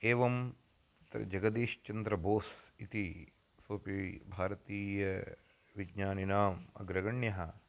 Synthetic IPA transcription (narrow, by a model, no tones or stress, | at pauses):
eːʋɐm | t̪ɾɐ̰d͡ʒɐɡɐd̪eːʃt͡ʃɐnd̪ɾɐboːsit̪i | soːpibʱaːɾɐt̪iːjɐ | ʋiɡɲaːninaːmɐ̰ɡɾɐɡɐɳjɐɦɐ